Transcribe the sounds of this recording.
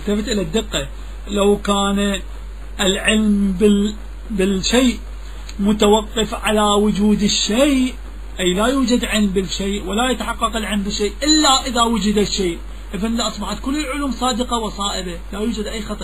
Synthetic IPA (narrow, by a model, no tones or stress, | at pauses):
lt̪afɪt̪ʔɪlad̪ːɪqːɑ | lawkaːn | ʔɪlʕɪlmbɪ | bɪlʃeːʔ | mʊt̪awɑqːɨfʕalawʊd͡ʒuːd̪ɪʃːejʔʔ | ʔajlajuːd͡ʒad̪ʕɪlmbɪlʃeːʔwalajat̪ħɑqːɑqɪlʕɪlmbɪʃːeːʔʔɪlːaʔɪðawʊd͡ʒɪd̪aʃːeːʔ | ʔɪfanlaʔɑsˤbɑħat̪kʊlːɪlʕʊluːmsˤɑːd̪ɪqɑwɨsˤɑːʔɪbalajuːd͡ʒad̪ʔajːxɑt̪ˤɑ